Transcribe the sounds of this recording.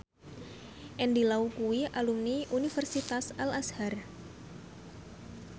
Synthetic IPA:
ʔɛndilaukuwiʔalumniʔunifərsit̪asalashar

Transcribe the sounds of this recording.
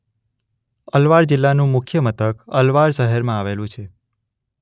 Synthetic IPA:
əlʋaɾd͡ʒɪlːanũmʊkʰjəmət̪əkəlʋaɾʃəɦəɾmãaʋelũt͡ʃʰe

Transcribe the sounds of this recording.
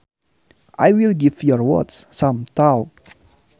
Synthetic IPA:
ʔajwilɡivjɔɹwɔ̰tssãmt̪aw

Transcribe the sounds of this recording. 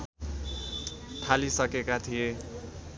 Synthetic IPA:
ʈʰalisʌkekat̪ʰije

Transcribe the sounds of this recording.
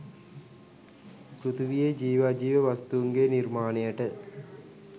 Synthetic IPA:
kɾut̪uʋijed͡ʒiːʋaːd͡ʒiːʋəʋast̪uuŋɡenirmaːnejəʈə

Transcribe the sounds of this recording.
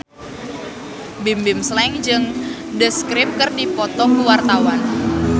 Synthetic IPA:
bimbɪmslɛŋd͡ʒɨŋ | dəskɾɪmkɨrdipɔt̪ɔkəwart̪awan

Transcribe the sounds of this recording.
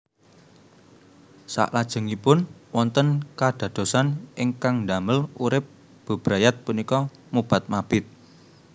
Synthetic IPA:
sa̰ʔlad̥ʒ̥ə̤ŋipʊnwɔnt̪ənkad̪̥ä̤d̪̥o̤sanɪŋkaŋnd̪aməluɾɪp̚ | b̥ə̤b̥ɾajat̪̚punikɔ | mub̥a̤t̪̚mab̥ɪt̪̚

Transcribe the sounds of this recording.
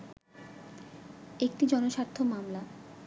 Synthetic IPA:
ek̚ʈid͡ʑɔnoʃaɾt̪ʰːomamla

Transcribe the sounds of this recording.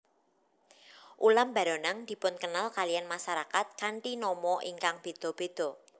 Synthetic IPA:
ʔulamba̤ɾɔnaŋd̪̥i̤pʊnkənalkalijanmaʃaɾakat̪̚kaɳʈinɔmɔʔiŋkaŋb̥e̤d̪̥ɔ̤b̥e̤d̪̥ɔ̤

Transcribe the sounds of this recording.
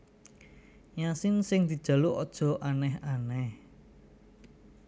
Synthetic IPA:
ɲasɪnsɪŋd̪̥i̤d̥ʒ̥a̤luʔɔd̥ʒ̥ɔ̤ʔanɛhanɛh

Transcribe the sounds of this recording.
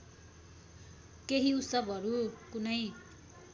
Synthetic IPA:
keɦiusʌbʱʌɾukunʌj

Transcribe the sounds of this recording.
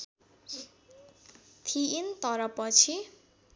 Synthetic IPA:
t̪ʰiint̪ʌɾʌpʌt͡sʰi

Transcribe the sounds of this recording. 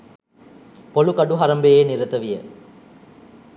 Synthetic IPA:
polukɐɖuɦɐɾɐmbejeːniɾət̪əʋijə

